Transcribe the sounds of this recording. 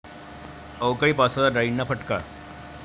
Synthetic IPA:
əwkaipasad̪aɖainːapʰəʈka

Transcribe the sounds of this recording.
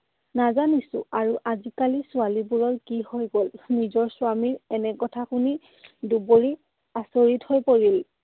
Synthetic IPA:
nazanisʊ̰̃aɹuʔazikalisʊalibuɹɔɹkihojɡolnizɔɹsʊwamiɹɛnɛkɔtʰakuni | duboɹi | asoɹithojpoɹil

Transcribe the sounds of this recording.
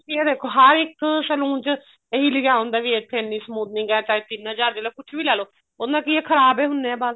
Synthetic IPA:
kied̪eːkʰoːɦəɾɪksəlũːt͡ʃ | eɦiːlɪɡaːõnd̪aːʋiːeːpʰeːnːiːsəmuːd̪nɪ̃ŋɡɛːt͡ʃaːeːt̪ɪnɦəd͡ʒaːɾd̪iːloːkʊt͡ʃʰbiːlɛːloː | onãːkieːkʰəɾaːbeːɦʊnːeɛ̃ːbaːz

